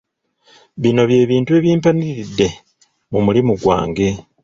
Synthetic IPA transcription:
βino̞βje̞ːβiːntueːβjiːmpaniɾidːe̞ | mumulimuɡwa̰ːŋɡe̞

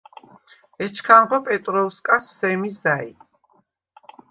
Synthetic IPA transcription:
ɛt͡ʃʰkʰanʁɔpʼɛt̪ʼɾɔuskʼasːɛmisdaḭ

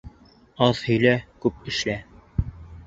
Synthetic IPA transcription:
ɑðhɵ̆jlækʉp̚ɘ̆ʃlæ

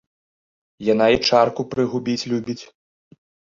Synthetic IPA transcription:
janait͡ʂarkupɾɨɣubʲit͡sʲlʲubʲit͡sʲ

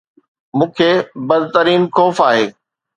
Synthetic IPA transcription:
mũːkʰeːbɐd̪ʱt̪əɾiːnxɔːfaːɦeː

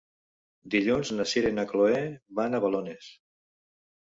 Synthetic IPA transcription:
d̪iʎunznaseɾenəkloeβanəβalones

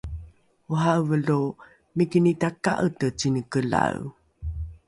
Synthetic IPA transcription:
uɦavəlu | mikinitaka̰ʔətət͡sinəkəla̰u

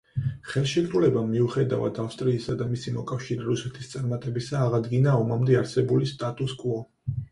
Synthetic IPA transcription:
χɛlˠʃɛt̪ʼɾulɛbamiuχɛd̪a̰va̰d̪ʰafst̪ʼɾiːsad̪amisimɔkʼafʃiɾɛɾusɛt̪ʰi̥st̪sʼaɾmat̪ʼɛbisaːʁad̪ɡinaɔmamd̪ɛaɾsɛbulist̪ʼat̪ʼuskʼvɔ

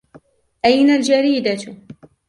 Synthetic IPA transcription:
ʔajnald͡ʒaɾiːd̪a

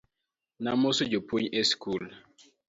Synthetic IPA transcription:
namosod͡ʒopʰuɲɛskul

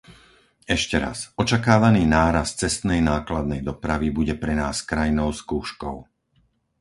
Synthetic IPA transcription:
ɛʃcɛɾa̰sɔt͡ʃakaːʋaniːnaːɾast̪t͡sɛst̪nɛjnaːklad̪̚nɛjd̪ɔpɾaʋibuɟɛpɾɛnaːskɾajnɔʊskuːʃkɔʊ

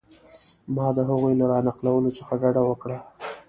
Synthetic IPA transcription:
mɑd̪əɦaɣujlaɾɑnɑqlawəlot͡səxaɖaɽawəkɽa

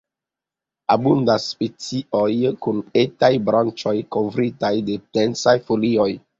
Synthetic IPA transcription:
abundasːpet͡siojkunetajbɾant͡ʃo̞jkovɾitajde̞tensajfolio̞j

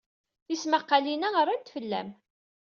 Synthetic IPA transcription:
θismaqːɑlinæʁəɾˤːænt̪fəlːæ̰m

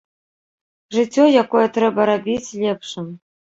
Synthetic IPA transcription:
ʐɨt͡sʲːɔjakɔjɛt̪ɾɛbɐɾabʲit͡sʲlʲɛpʂɨm

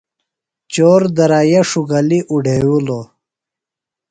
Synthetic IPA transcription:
t͡ɕoːɾd̪ɐɾaːjɐʂuɡɐliʔuɖʱewulo

